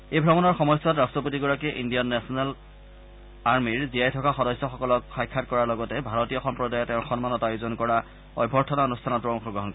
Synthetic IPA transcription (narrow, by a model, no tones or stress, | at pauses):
ejbʱɹɔmɔnɔɹxɔmɔjsɔtɹastɹɔp̬otiɡɔɹakɛʔindiɔnːɛsʰɔnal | aɹmiɹzijajtʰɔkaxɔdɔsːɔxɔkɔlɔkxajkʰːatkɔɹaɹlɔɡɔtɛbʱaɹɔtijɔxɔmpɹɔdajɔtɛʊ̃xɔnmanɔtajuzɔnkɔɹa | ɔjbʱɔɹtʰɔnaonustʰanɔtːɹɔɔ̃ŋpʰɔɡɹɔɦɔnkɔɹ